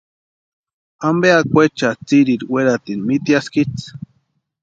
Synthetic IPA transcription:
ambeakʷet͡ʃat͡siɾiɾweɾat̪inmit̪ijaskit͡s

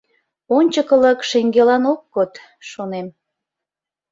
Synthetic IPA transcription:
onʲt͡ɕəkələkʃeŋɡelɑnok̚ɡot̪ | ʃonem

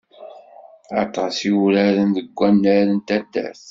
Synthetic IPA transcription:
ɑt̪ˤɑsiwɾæɾənðəɡʷːænːəɾənt̪æt̪ːæ̰θ

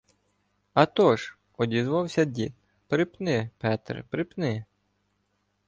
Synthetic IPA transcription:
ɐt̪ɔʒ | ɔdʲizʋɑwsʲɐdʲit̪̚ | pɾɪpnɪpɛt̪rpɾɪpnɪ

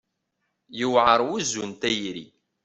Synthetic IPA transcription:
jəwʕəɾˤwuzːunt̪æjɾḭ

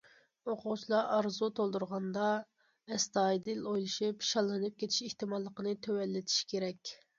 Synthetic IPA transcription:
oqʰʊʁt͡ʃʰilˠɑʔɑɾzut̪ʰolˠd̪uɾʁɑnd̪ɑ | ɛst̪ɑjd̪ɨlojlˠɨʃipʃɑlˠːɨnɨp̚kʲʰet̪ʰi̥ʃeht̪ɨmɑlˠːəqənɨt̪ʰøwɛlːɪt̪ʰi̥ʃkʲʰeɾɛkʲ

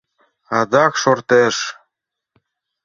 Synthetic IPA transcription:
ɑd̪ɑkʃort̪eʃ

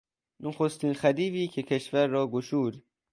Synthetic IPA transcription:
noxost̪iːnxæd̪iːviːcʰecʰeʃvæɾːɒːɡoʃuːd̪

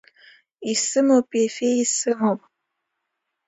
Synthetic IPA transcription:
isɨmopjefeisɨɦɔ̃p̚

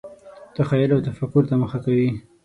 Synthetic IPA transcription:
d̪̥əxajalawt̪afakʊɾt̪aməxakawi

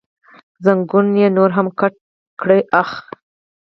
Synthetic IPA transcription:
zaŋɡunjenoɾɦamkaʈ | kɽəjʔax

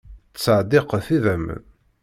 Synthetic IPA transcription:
t͡sːəʕd̪ɪqθiðəm̰

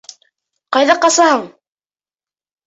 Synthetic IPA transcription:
qɑjðɑqɑsɑhɤɴ

